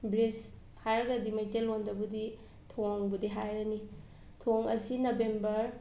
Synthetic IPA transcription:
bɾes | hajɾɡɐdimɐjtelondɐbudi | tʰoŋbudiɦajɾɐni | tʰoŋɐsinobembɐɾ

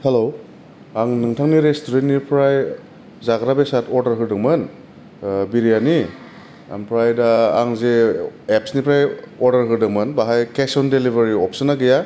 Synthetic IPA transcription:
helo | aŋnɯŋtʰaŋniɾestuɾentːnipʰɾaj | zaɡɾabesatʰɔɾdɐɾɦɯɾdɯŋmɐn | biɾijani | a̰ŋpʰɾajdɐaŋzeepsnipʰɾajɔɾdɐɾɦɯdɯŋmɐnbaɦajkesɔndelibʱaɾiɔp̚sɔnaɡɯja

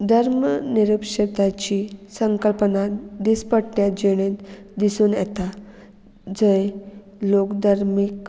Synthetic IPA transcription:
d̪ʱəɾmniɾupɕed̪at͡ɕiːsəŋkəlpnad̪ispəʈnjad͡ʑeɽ̃ẽt̪d̪isuːnjɛt̪a | d͡zə | lokd̪aɾmik

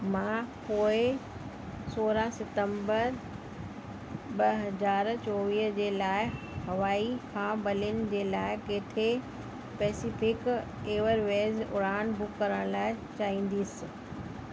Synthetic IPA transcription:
mãːpoːɪ | soːɾasɪt̪ə̃mbəɾ | bɐɦɐzaːɾt͡ɕɔːʋiːɦd͡ʑeːlaːɪ | hɐʋaːikʰãːbɐlɪʊnɪ̆d͡ʑeːlaːɪkeːt̪ʰe | spɛːsifɪk | eːʋəɾʋeːzʊ̰ɾaːnbʊkːɐɾəɽ̃laːɪt͡ɕaːĩːn̆d̪isɪ

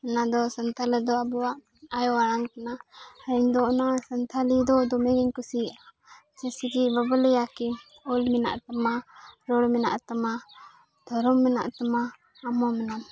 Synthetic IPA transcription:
nad̪ɔsənt̪ʰalɛd̪ɔabuwaʔ | ajɔaɽaŋkanaaiɲd̪ɔɔnasənt̪ʰalid̪ɔd̪ɔmɛɡɛɲkusia | t͡ʃɛsiɾibabɔlɛjakɛ | ɔlmɛna̰ʔt̪amaɾɔɽmɛna̰ʔt̪ama | d̪̥ʱɔɾɔmːɛna̰ʔt̪amaː | mɔmɛnam

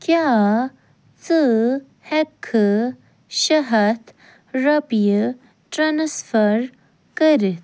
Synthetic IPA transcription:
kja | t͡sə | hɛkʰːə | ɕəɦət̪ | ɾəpjə | ʈɾansfəɾ | kəɾit̪̚ʰ

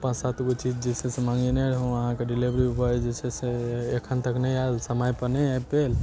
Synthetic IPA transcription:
pãsat̪ɡot͡ʃid͡ʒd͡ʒesesemãŋɡenəɽɦə̃wəɦãkeɖilibɾiubəd͡ʒeseseekʰənt̪əknəjaelsəmajpənəajpel

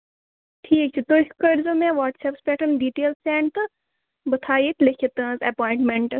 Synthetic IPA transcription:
ʈʰiːk̚t͡ʃʰit̪oːkəɾzoːmẽʋaːʈsɛpspɛːʈənɖiːʈeːlsɛ̃ːɳt̪ɨ | bɐt̪ʰaːjit̪lekʰet̪ə̃ːzɛpɔːɪ̃ɳʈmẽɳʈ

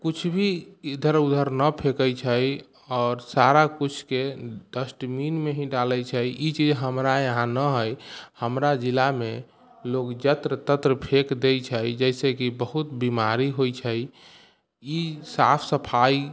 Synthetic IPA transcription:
kut͡ʃʰbʱid̪ʱəɾud̪ʱəɾnəpʰekəjt͡ʃʰəj | ɔːɾsaɾakut͡ʃʰked̪əsʈminmeɦĩɖaləjt͡ʃʰəjit͡ʃid͡ʒɦəmɾaəɦãnəɦəjhəmɾad͡ʒilːame | lokd͡ʒət̪ɾət̪ət̪ɾəpʰekd̪ejt͡ʃʰəjd͡ʒəɪsekibəɦut̪bimaɾiɦojt͡ʃʰəj | isapʰsəpʰai

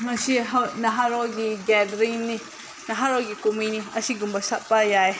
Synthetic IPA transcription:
masiɦanaɦaɾɔɡiɡɛdɾini | naɦaɾɔɡikuminiasiɡumbasaʔpajae

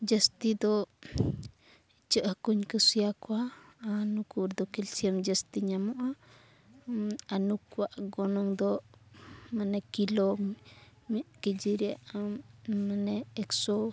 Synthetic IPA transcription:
d͡ʒəst̪id̪ɔ | it͡ʃəʔhəkuɲkəsijakwaːnukuɾd̪ɔkilsiamd͡ʒəst̪iɲamɔʔa | anukuwaʔɡɔnɔŋd̪ɔ | manɛkilɔ | mɛʔkid͡ʒiɾaʔammanɛːksɔ

